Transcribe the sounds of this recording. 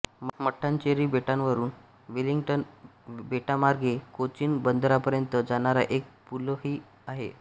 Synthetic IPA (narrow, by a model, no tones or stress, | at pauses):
məʈʰːaɲt͡ɕeɾiːbeʈãnʋəɾuːn | ʋiliŋɡʈənbeʈamaɾɡʱekot͡ɕiːnbənd̪ɾapəɾjənt̪əd͡zaɽ̃aɾa̰ʔek̚puloɦiː | aɦḛ